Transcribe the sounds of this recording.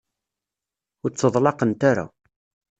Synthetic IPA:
ʊɾt͡sːəðˤlɑqənt̪aɾa̰

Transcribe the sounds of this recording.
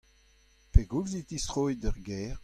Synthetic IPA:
peɡuɡzit̪ist̪ʁoːidœʁɡɛːʁ

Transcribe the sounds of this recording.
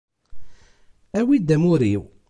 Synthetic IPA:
æwid̪æmʊɾiw

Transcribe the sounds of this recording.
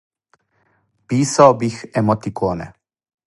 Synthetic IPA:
piːsaobixɛmot̪ikoːnɛ̰

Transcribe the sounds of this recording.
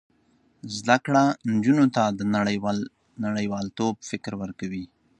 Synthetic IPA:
zd̪akɽand͡ʒunot̪ad̪ənaɽ | naɽəjwɑlt̪ob̚fɪkɾwəɾkawi

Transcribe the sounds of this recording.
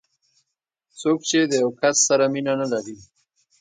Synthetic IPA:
t͡sok̚t͡ʃed̪əjawkasːaɾaminanalaɾi

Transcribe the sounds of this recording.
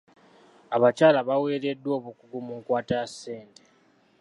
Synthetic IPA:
aβacaːlaβawe̞ːɾe̞dːwo̞ːβukuɡumuŋkwaːtasːeːnte

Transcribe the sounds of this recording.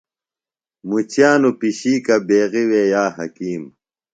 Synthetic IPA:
mut͡ɕjaːnupiɕiːkɐbeːɣiwejaːhɐkiːm

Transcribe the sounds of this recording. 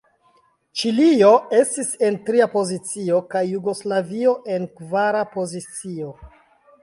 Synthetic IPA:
t͡ʃilio̞e̞stise̞ntɾiapo̞zit͡sio̞kajːuɡo̞slavio̞ʔe̞nkvaɾapo̞zit͡sio̞

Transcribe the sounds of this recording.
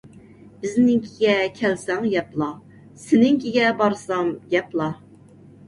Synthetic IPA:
b̥ɪznɪŋkʲʰiɡʲɛkʲʰɛlsɛŋjɛplˠɑ | sɪnɪŋkʲʰiɡʲɛbɑɾsɑmjɛplˠɑ

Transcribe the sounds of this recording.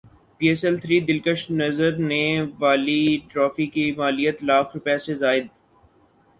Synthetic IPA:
piːɛsɛlt̪ʰɾiːd̪ɪlkəʃnɐzəɾneʋaːliʈɾɔːfikimaːlijət̪laːkʰɾʊpjasezaːɪd̪̚

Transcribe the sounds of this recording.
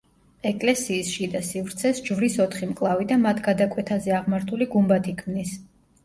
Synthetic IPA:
ɛkʼlɛsiːsʃid̪asivɾt̪sʰɛsd͡ʒvɾisɔt̪ʰχimkʼlˠavid̪amat̪ʰɡad̪akʼwɛt̪ʰazɛaʁmaɾt̪ʰuliɡumbat̪ʰikʰmnis

